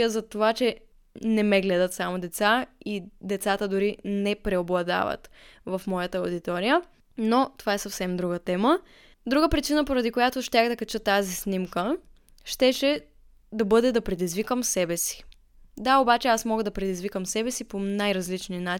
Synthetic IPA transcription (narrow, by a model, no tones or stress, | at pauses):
əzɐt̪ovat͡ʃɛ | nɛmɛɡlɛd̪ət̪samod̪ɛt̪said̪ɛt̪sat̪əd̪ʊɾinɛpɾɛoblˠɐd̪a̰və̰t̪vɐfmɔjət̪əod̪it̪ɔɾijə | not̪ovaɛsɐfsɛmd̪ɾuɡət̪ɛmə | d̪ɾuɡəpɾit͡ʃinəpoɾɐd̪ikojat̪oʃt̪axd̪ɐkɐt͡ʃɤt̪ːazisnimkə | ʃt̪ɛʃɛ | d̪ɐbɤd̪ɛd̪ɐpɾɛd̪izvikəmsɛbɛsi̥ | d̪aobat͡ʃɛasmɔɡəd̪ɐpɾɛd̪izvikəmsɛbɛsiponajɾɐzlit͡ʃnina